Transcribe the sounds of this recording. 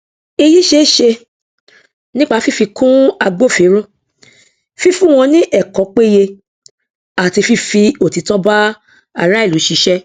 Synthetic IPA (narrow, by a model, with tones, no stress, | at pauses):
i˧ji˦ʃe˦ʃe˧ | nĩ˦k͡pa˦˧˦fi˦fi˧kũ˦a˧ɡ͡bo˦˨fi˨˦ɾ̃ũ˦ | fi˦fũ˦w̃ɔ̃˧nĩ˦ʔɛ˦˨kɔ˨˦k͡pe˦je˧ | a˨ti˧fi˧fi˧o˨ti˨˦tɔ˦ba˦ | a˨ɾa˦i˦˨lu˨˦ʃi˧˦ʃɛ˦